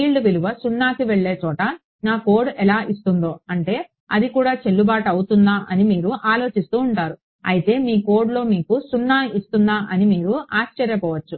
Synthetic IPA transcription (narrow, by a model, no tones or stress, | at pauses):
iːlɖuʋeluʋɐsunːaːkiʋeɭːe̞ːt͡ʃɔːʈɐ | naːko̞ːɾɖɛlaːʔist̪und̪o̞ːɐɳʈe̞ː | ɐ̰d̪ikuːɽaːt͡ʃe̞lːubaːʈɐwut̪und̪aːʔɐnimiːɾuʔaːlo̞ːt͡ʃist̪uːɳʈaːɾu | ɐjit̪e̞ːmiːko̞ːɾɖlo̞ːmiːkusunːaːist̪und̪aːʔɐnimiːɾuaːt͡ʃt͡ʃːɐɾjɐpɔːʋɐt͡ʃːu